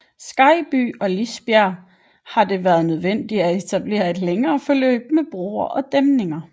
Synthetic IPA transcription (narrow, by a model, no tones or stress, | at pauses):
sɡ̥ɑ̈ɪb̥y̰ːɒ̽lisb̥jæɐ | hɑ̈d̥e̝ʋæːɐð̞̩ˠnøð̞ˠʋen̰d̥iæe̝t͡sʰæb̥le̝̰ːɐe̝d̥leŋɐːfɒ̽lø̰ːb̥̚meb̥ʁo̰ːɐʔɒ̽d̥emne̝ŋɐ